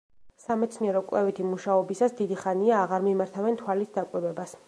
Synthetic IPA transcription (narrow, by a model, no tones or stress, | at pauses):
samɛt̪sʰniɛɾɔkʼwlɛvit̪ʰimuʃaɔbisasd̪id̪iχaniaːʁaɾmimaɾt̪ʰavɛnt̪ʰwalit̪ʰd̪akʼwiɾwɛbas